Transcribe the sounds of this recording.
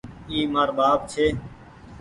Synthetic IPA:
iːmaːɾbaːp̚t͡ʃʰeː

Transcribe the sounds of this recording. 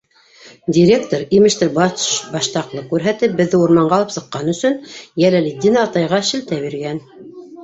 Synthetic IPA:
dʲiɾʲekt̪oɾimɘ̆ʃt̪ɘbɑbɑʃt̪ɑqlˠɤkʉɾɦæt̪ɘp̚bɘ̆ðːɘuɾmɑɴɢɑlˠɤpsɤ̆qːɑnɵ̆sɵnjælælid̪ʲinɑːt̪ɑjʁɑʃɘ̆lt̪æβiɾɡæn

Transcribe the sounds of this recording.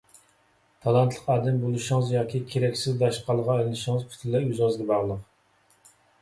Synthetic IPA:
t̪ʰɑlˠɑnt̪ʰlˠəqɑːd̪ɛmbolˠɨʃɪŋɨzjɑːkʲikʲʰeɾɛkʲsɪzd̪ɑʃqɑlˠʁɑɛllɪʃɪŋɨzpʰy̥t̪ʰɪlɛyzɑzɡʲɛbɑʁlˠəq

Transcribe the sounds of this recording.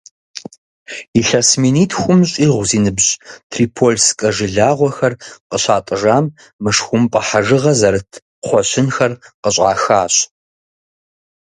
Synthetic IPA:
iɬɐsminiːtʰxʷʊmɕʼiːʁʷziːnɨbɕʼtʰriːpʰoːlskʼɐʒɨɮaːʁʷɔxɐrqəɕaːtʼɨʒaːm | mɨʂxʷʊmpʼɐħaʒɨʁɐzɐɾɨtʰ | χʷɔɕɪnxɐrqəɕʼa̰ːxaːɕʼ

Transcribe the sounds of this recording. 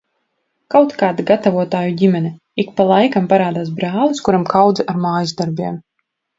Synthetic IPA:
kawt̪kaːd̪aɡat̪avuɔt̪aːjuɟʲimʲɛnɛ | ikpalˠajkampaɾaːd̪aːsbɾaːlˠɨskuɾamkawd̪zɛʔaɾmaːjizd̪aɾbʲiɛm

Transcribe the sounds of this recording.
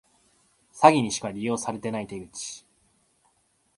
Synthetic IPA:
saɡʲiɲ̟iɕi̥kaɾʲijo̞ːsaɾe̞t̪e̞nait̪e̞ɡɯ̟t͡ɕi̥

